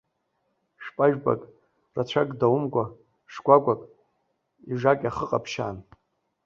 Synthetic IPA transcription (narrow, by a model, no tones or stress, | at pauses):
ʂpʼaʒᶣba̰kʼ | rat͡ɕʷʰakʼdawʊmɡʷa | ʂɡʷaɡʷakʼ | iʐakʼaχəqʼapʰʃa̰ːn